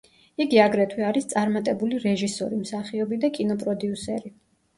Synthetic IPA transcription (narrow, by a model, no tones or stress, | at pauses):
iɡiaɡɾɛt̪ʰwɛaɾist̪sʼaɾmat̪ʼɛbuliɾɛʒisɔ̰ɾimsaχiɔbid̪akʼinɔpʼɾɔd̪iusɛɾi